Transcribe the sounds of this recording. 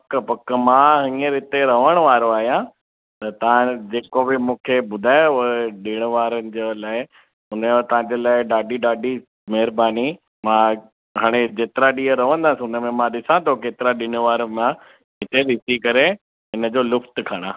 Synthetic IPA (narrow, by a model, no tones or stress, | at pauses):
pɐkpɐkəmãɦĩːəɾɪt̪eɾɐʋəɽ̃ʊʋaːɾoaːɦijã | t̪ɐt̪ɐʋ̤ãd͡ʑeːkobɪmũːkʰebʊd̪ʱaːeʊeɗɪɽ̃ʋaːɾənɪ̆d͡ʑelaːɪ | ʊnəot̪ɐʋ̤ãɲd͡ʑeːlaːɪɗaːɖiɗaːɖʱi | mɐɦɪɾəbaːni | mãː | ɦaːɽ̃ed͡ʑeːt̪ɪɾaɗiːɦəɾɐʋə̃nd̪aːsiʊnə̆mẽmãɗɪsãt̪ʰokeːt̪ɪɾaɗɪñʊʋaːɾəmã | ɦɪt̪eɗɪsikɐɾe | ɦɪnəd͡ʑolʊft̪kʰaːɽ̃aː